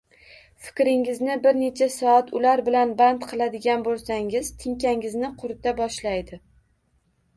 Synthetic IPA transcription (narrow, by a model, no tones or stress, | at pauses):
fɪ̥kʲɾɪŋɪznɪbɪɾne̞t͡ʃʰasɒat̪ʰʊlaɾbɪlanbant̪qʰɨlˠad̪ɪɡʲanbolˠsaŋɪzt̪ʰɪŋkʲaŋɪznɪqʰʊɾt̪ʰabɒʃlajd̪ɪ